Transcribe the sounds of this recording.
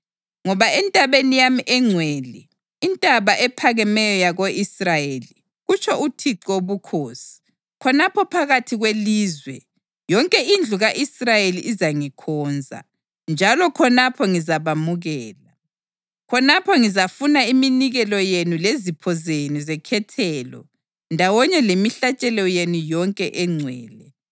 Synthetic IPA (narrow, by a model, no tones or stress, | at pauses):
ŋɔβaɛntʼaβenijamiʔɛŋ͡ǀʱweːliː | ntʼaβaʔɛpʰaɣɛmɛjɔjaɣoʔisrajeli | ɣut͡ʃʰɔutʰiǀoβukʰoːsi̥ | kʰɔnapʰɔpʰaɣatʰiɣweliːzwɛ | jɔŋkʼɛind͡ɮʱuɣaʔisrajeliʔːzaŋikʰɔːnd͡zʱa̰ | nd͡ʒʱalɔkʰɔnapʰɔŋizaβamuɣɛːla | kʰɔnapʰɔŋizafunaiminiɣɛlɔjenulezipʰɔzenizɛkʰɛtʰɛːlɔ̰ | ndʱawɔɲɛlemiɬat͡ʃʼɛlɔjenujɔŋkʼɛʔɛŋ͡ǀʱwɛːlɛ